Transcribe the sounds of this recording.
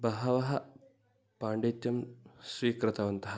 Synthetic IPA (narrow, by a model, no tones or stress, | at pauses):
bɐɦɐʋɐɦɐ | paːɳɖeːt̪jɐmsʋiːkɾɨt̪ɐʋɐnt̪ɐɦɐ